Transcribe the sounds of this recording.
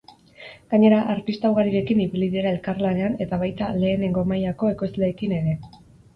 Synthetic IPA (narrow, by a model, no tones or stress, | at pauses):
ɡ̥aɲe̞ɾaʔaɾt̪ist̪awɣaɾiɾe̞kiniβiliðiɾae̞lkarlane̞ane̞t̪aβ̞ajt̪ale̞ːne̞ŋɡo̞majako̞e̞ko̞zle̞ːkine̞ɾe̞